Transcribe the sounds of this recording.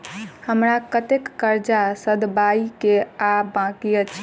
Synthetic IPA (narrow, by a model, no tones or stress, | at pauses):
həmɾakət̪ekːəɾd͡ʒasəd̪baikeabãkiət͡ʃʰ